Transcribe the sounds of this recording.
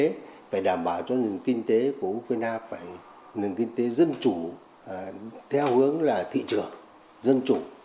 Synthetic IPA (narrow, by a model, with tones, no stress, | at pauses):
e˨˦faː˧˩jɗaː˧˩mɓaː˧˩wt͡ɕɔ˧nɨ˨˩ŋki˧ŋ̟t̪e˨˦ku˧˩əʔu˧kwaː˧jnaː˧faː˧˩j | nɨ˨˩ŋkï˧ŋ̟t̪e˨˦zə˧nt͡ɕu˧˩ | t̪ʰɛ˧whɨ˨˦əŋlaː˨˩t̪ʰḭ˧˨t͡ɕɨ˨˩əŋ | zə˧nt͡ɕu˧˩